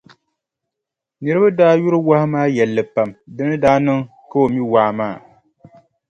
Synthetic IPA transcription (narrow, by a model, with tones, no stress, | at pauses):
nɨ˨ɾɨ˦ba˦daː˦ju˦ɾɨ˦wa˦hɪ˦maː˦jɛ˨lːɨ˨pa˨mdɨ˦nɨ˦daː˦nɨ˦ŋ | ka˦o˨mi˦waː˨maː˦˨